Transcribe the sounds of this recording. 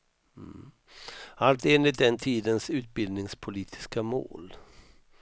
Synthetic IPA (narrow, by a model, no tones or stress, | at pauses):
alt̪eːnlɪt̪̚d̪ɛnt̪ʰiːd̪ənsʉ̟ːt̪̚bɪld̪nɪŋspʰʊliːt̪ʰɪ̥skamo̰ːl